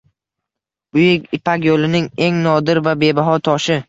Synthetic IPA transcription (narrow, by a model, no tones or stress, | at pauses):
bʊjɪkʲɪpʰakʲjolɪnɪŋe̞ŋnɒd̪ɪɾvabe̞baɦɒt̪ʰɒʃɪ